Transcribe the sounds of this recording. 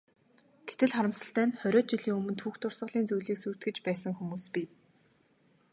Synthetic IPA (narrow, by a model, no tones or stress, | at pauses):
ɡ̥et̪ɘ̆ɮχaɾə̆msə̆ɬt̪æːnχœɾʲɔːt̪̚t͡ɕiɮiːŋɵmɵ̆nt̪ʰuːxt̪ʊrsə̆ɮiːnt͡sujɮiːksuːt̪ɡɘ̆t͡ɕpæːsə̆ŋxumuːspi